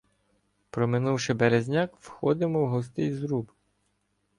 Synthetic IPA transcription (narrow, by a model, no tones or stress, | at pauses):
pɾɔmɪnuwʃɪbeɾezʲnʲɑkwxɔd̪ɪmɔwɦɔst̪ɪjzɾub